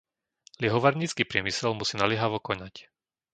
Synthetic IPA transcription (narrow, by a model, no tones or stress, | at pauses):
lɪɛɦɔʋaɾɲiːt͡skiːpɾɪɛmisɛlmusiːnalɪɛɦaʋɔkɔnac